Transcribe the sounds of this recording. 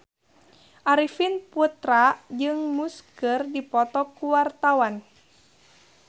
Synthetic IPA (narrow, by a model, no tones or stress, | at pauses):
ʔaɾifinput̪ɾad͡ʒɨŋmuskɨrdipɔt̪ɔkuwart̪awan